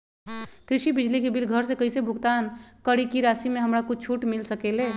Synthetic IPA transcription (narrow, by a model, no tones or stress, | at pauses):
kɾiʃibid͡ʒlikebilɡʱəɾsekəjsebʱuɡt̪ankəɽikiɾasimeɦəmɾakut͡ʃʰuʈmilsəkele